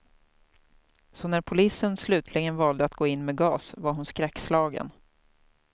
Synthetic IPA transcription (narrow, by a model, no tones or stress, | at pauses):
sɔnæɾpʰʊliːsənslʉ̟ːt̪ʰlɪɡənvɑːld̪əat̪̚ɡ̥oːɪnːmeːɡɑːsvaɾɦʊnskɾɛkːslɑːɡə̰n